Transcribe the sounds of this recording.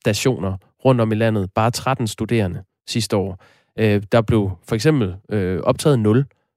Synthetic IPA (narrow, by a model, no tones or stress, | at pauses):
sd̥æɕo̝̰ːnɐ | ʁɔ̽n̰d̥ɒ̽milæn̰ð̞̩ˠb̥ɑ̈ːt͡sʰʁad̥n̩sd̥ud̥e̝̰ːɐnə | sisd̥əɒ̰ː | ød̥ɑ̈b̥le̝ʊfɒ̽eɡ̥sem̰b̥l̩øɒ̽b̥̚t͡sʰɛ̰ːð̩ˠnɔ̽l